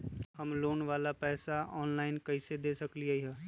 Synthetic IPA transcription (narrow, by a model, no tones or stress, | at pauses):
həmloːnʋaːlapɛːsaɔːnlaːɪnkɐised̪eːsəkliaiɦɛː